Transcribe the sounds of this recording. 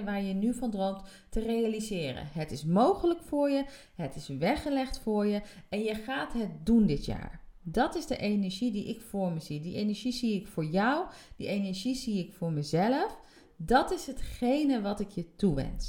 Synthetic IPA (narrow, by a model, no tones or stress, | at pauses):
ʋaːɹjənyvɑndrowmt | tərejalizɪːrə̰nɦətɪsmowχələkfʊːɹjə | ɦətɪsʋɛχəlɛχtfʊːɹjəɛnjəχaːtɦət̚dundɪtja̰ːɹdɑtɪzdəʔejnɛɹʒidiʔɪkfʊːɹməzidiʔejnɛɹʒiziɪkfʊːɹjʌwd̥ḭʔejnɛɹʒiziɪkfʊːɹməzɛləf | dɑtɪsɦətχejnəʋɑtɪkjətuʋɛ̰ns